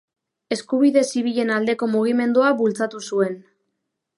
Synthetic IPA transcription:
e̞skuβ̞iðe̞siβ̞iʎe̞nald̪e̞ko̞muɣ̞ime̞nd̪uaβult͡sat̪usue̞n

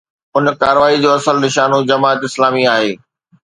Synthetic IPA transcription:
ʊnkaːɾəʋaːid͡ʑoːɐsəlnɪʃaːnõd͡ʑɐmaːət̪ɪslaːmiaːɦeː

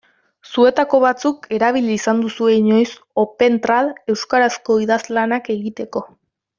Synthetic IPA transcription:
sue̞t̪ako̞βat͡suke̞ɾaβ̞iliːsand̪usue̞ɲo̞js | o̞pe̞nt̪ɾale̞wskaɾasko̞iðazlanake̞ɣit̪e̞ko̞

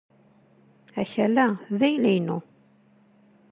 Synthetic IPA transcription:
æçælæðæjlæjnu

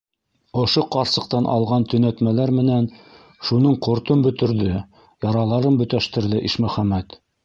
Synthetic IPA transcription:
ŏʃoqɑɾsɤ̆q̚t̪ɑnʔɑ̰lˠʁɑnt̪ɵ̆næt̪mælæɾmɘ̆næn | ʃunɤɴqŏɾt̪ombɵ̆t̪ɘ̆ɾðɘ | jɑɾɑlˠɑɾɤnbɵ̆t̪æʃt̪ɘ̆ɾðɘʔiʃmɵ̆χæmːæt̪

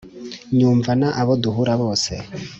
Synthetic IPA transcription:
ɲuːɱvanaʔaβoduɦuɾaβo̞ːse

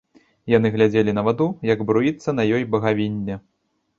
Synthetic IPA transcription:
janɨɣlʲad͡zʲelʲinɐvad̪ujɐɡbɾujit̪sːɐn̪ɐjɔjbɐɣavʲinʲːɛ

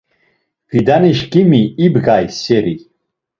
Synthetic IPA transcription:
v̥id̪aniʃɡimiːbɡajsɛɾi

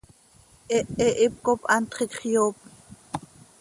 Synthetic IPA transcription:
ʔɛʔɛʔip̚kopʔɑnt̪χikχjoːp̚

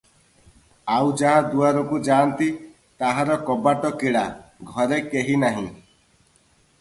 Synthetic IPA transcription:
awd͡ʒaɦad̪uaɾɔkud͡ʒaːnt̪i | t̪aɦaɾɔkɔbaʈɔkiɭaɡʱɔɾekeɦinaɦĩ

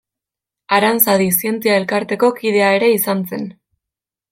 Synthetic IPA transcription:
aɾansaðisie̞nt͡siae̞lkaɾt̪e̞ko̞kið̞e̞ae̞ɾe̞isanse̞n

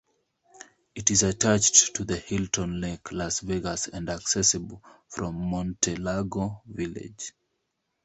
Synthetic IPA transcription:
itizatʰat͡ʃtʰuðəhiltʰə̃nlekʰlasveɡasæ̃ndaksɛsɨbl̩ˠfɹɔ̃mːɔ̃ntʰɛlaɡovilɪ̰d͡ʒ

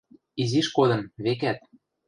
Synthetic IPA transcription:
iziʃkod̪ɤ̆mβek̬æt̪̚

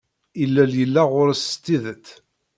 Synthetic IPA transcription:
ilːæljəlːæʁʊɾst̪ːiðət̪

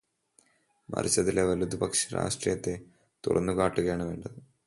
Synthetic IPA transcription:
mɐ̰rit͡ɕːɐtðileʋɐlud̪ubɐkʂi̥ɾa̰ːʂʈrijɐt̪ːe̞ | t̪ṵrɐ̰nːuɣaːʈːuɣɐjaːɳɨʋe̞ːɳɖɐðɨ

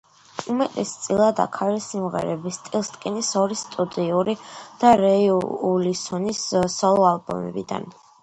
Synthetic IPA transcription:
umɛt̪ʼɛst̪sʼilˠad̪a̰kʰalisimʁɛ̰ɾɛbist̪ʼilˠst̪ʼkʼinisɔɾist̪ʼud̪iuɾid̪̥aɾɛiulisɔnissɔlˠɔalˠbɔ̰mɛ̰bid̪a̰n

